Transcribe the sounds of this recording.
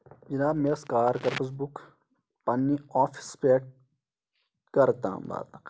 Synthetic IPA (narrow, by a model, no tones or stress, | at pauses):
d͡ʒɐnaːbmeɐskaːɾkɐɾpəs̬buk | pɐnːiaːfʰi̥speːʈ̚ | kɐɾt̪ã̰ːmba̰ːɾt̪ɐ